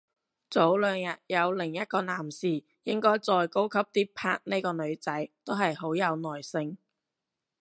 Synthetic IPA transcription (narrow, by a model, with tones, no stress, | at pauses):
t͡so˨˥wlœː˨˧ŋjɐ˨t̚jɐ˨˧wlɪ˨˩ŋjɐ˥t̚kɔː˧naː˨˩msiː˨˩ | jɪ˥ŋkɔː˥jt͡sɔː˨˧jko˥wkʰɐ˥p̚t̪iː˥pʰa̰ː˧k̚ne˥jkɔː˧nɵ˨˧ɥt͡sɐ˨˥jt̪o˥wɦɐ˨jɦo˨˥wjɐ˨˧wnɔː˨˩jsɪ˧ŋ